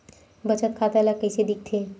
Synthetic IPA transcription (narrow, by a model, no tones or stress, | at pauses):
bət͡ʃət̪kʰat̪alakəjsed̪ik̚t̪ʰe